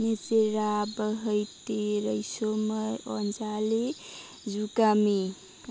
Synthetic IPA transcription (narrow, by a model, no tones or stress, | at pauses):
net͡seɾabəɦəjt̪iɾəjsoməɔnd͡ʒali | d͡ʒukame